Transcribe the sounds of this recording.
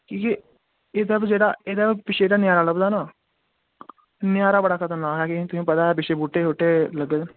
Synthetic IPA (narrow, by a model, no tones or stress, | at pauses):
kĩːke | ed̪əbd͡ʒeːɽaːeːd̪abpɪʃʰeːɖaːnjaːɾaːləbd̪aːnaː | nɪjaːɾaːbəɽaːkʰət̪ənːaːkɛːkẽt̪ʊsĩːpət̪aːɛbɪʃeːbuːʈːeːɦoːʈːeːləɡe